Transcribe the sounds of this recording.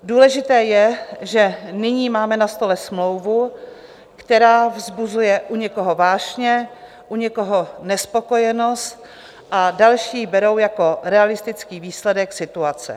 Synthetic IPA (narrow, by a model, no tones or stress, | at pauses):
duːlɛʒɪt̪ɛːjɛʒɛnɪɲiːmaːmɛnast̪o̞lɛsmlowvu | kt̪ɛɾaːvzbuzujɛʔuɲɛko̞ɦo̞vaːʒɲɛ | ʔuɲɛko̞ɦo̞nɛspo̞ko̞jɛno̞st̪ | ʔadalʃiːbɛɾo̞wjako̞ɾɛalɪst̪ɪt͡skiːviːslɛdɛksɪt̪uat͡sɛ̰